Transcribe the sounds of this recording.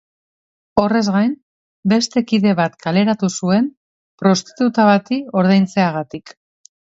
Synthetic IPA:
o̞re̞zɣajn | be̞st̪e̞kiðe̞βat̪kale̞ɾat̪usue̞n | pɾo̞st̪i̥t̪ut̪aβat̪io̞ɾð̞ejnt͡se̞aɣ̞at̪ik

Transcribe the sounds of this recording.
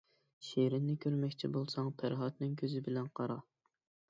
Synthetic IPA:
ʃeɾɪnːɪkʲʰøɾmɛkʲt͡ʃʰibolˠsɑŋpʰæɾɦɑt̪nɪŋkʲʰøzɪbɪlɛnqʰɑɾɑ

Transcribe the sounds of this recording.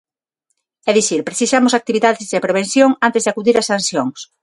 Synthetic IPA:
ɛðiθiɾpɾeθisamosak̚t̪iβiðaðɪzðepɾeβen̟θjoŋant̪ezðakuðiɾɐsanθjoŋs

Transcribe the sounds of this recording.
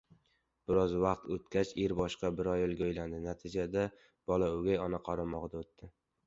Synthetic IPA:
b̥ɪɾɒzvɑqt̪ot̪kʲʰat͡ʃeɾbɒʃqɑbɪɾɒjɪlˠɡʲaojland̪ɪnat̪ʰɪd͡ʒad̪a | b̥ɒlaʊɡʲajɒnaqʰɒɾamɒʁd̪aot̪ːɪ

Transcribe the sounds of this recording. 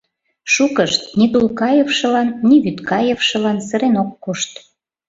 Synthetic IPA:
ʃukəʃt̪̚nit̪ulkɑjefʃɤ̆lɑnːiβyt̪kɑjefʃɤ̆lɑnsə̆ɾenokːoʃt̪

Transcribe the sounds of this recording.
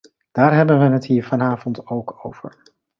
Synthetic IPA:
d̥aːɹɦɛbənʋənɦətɦiːɹvɑnaːvɔntowko̰wv̥ə̰ɹ

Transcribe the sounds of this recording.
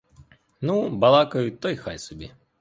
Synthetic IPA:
nubɐlˠɑkɐjʊt̪ɔjxa̰jsʊbʲḭ

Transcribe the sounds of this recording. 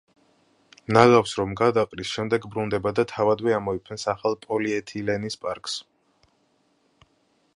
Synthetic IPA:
nalafsɾɔmɡad̪aqʼɾisʃɛmd̪ɛɡbɾund̪ɛbad̪at̪ʰavad̪vɛamɔipʰɛnsaχalˠpʼɔliɛt̪ʰilɛnispʼaɾkʼs

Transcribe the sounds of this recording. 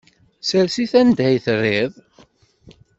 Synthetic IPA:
səɾsiθænd̪æjθərːɪðˤ

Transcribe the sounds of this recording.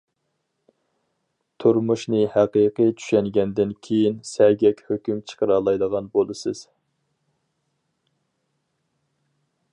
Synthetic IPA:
t̪ʰuɾmuʃnɨhæqijqɨt͡ʃʰy̥ʃɛŋɡʲɛnd̪ɪnkʲʰejinsɛɡʲɛkʲhøkʲymt͡ʃʰə̥qʰəɾɑlˠɑjd̪əʁɑnbolˠɨsɨz̥

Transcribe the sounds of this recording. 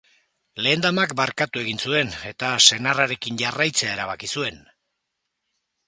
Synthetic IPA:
le̞ːnd̪amak̚baɾkat̪ue̞ɣinsue̞ne̞t̪ase̞naraɾe̞kinʝarajt͡se̞ae̞ɾaβakisue̞n

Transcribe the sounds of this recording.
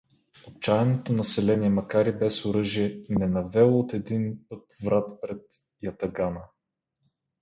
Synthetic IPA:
ot̪̚t͡ʃaɛnot̪onɐsɛlɛniɛmɐkaɾibɛsoɾɤʒiɛnɛnɐvɛlˠoot̪ɛd̪inpɤt̪vɾat̪pɾɛt̪ | jɐt̪ɐɡanə

